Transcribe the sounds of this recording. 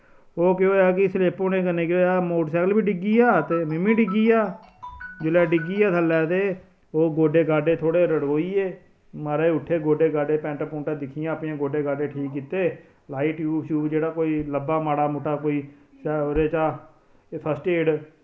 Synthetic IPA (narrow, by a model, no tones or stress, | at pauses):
oːkɪoːjaːkɪsleːpõːneːkəneːkoaːmoːʈsɛːkəlbiːɖɪɡiːaːt̪eːmɪmĩːɖɪɡiːaː | d͡ʒɪlɛːɖɪɡiːaːt̪ʰəlːɛːt̪eː | oːɡoːɖeːɡaːɖeːt̪ʰoːɽeːɾəɽɦoːiːeː | maɾeːʊʈʰːeːɡoːɖeːɡaːɖeːpɛ̃ːɳʈaːpʊ̃ːɳʈãːd̪ɪkʰːɪjãːəpnijãːɡoːɖeːɡaːɖeːʈʰiːkːiːt̪eː | laːiːʈjuːʃuːd͡ʒeːɽaːkoːiːləbaːmaːɽaːmʊʈʰːaːkoːiːsɛoɾeːt͡ʃaː | sʰəsʈeːɽ